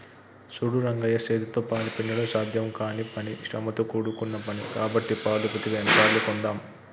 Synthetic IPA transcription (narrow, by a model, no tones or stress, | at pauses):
suɽuɾɐŋɡɐjɐseːd̪it̪oːpaːlɐpinːɐɽɐmsaːd̪ʱjɐmkaːnipɐniʃɾɐ̰mɐt̪ukuːɽukunːɐpɐnikaːbɐʈːipaːlupɐt̪iɡenpaːɾlukond̪aːm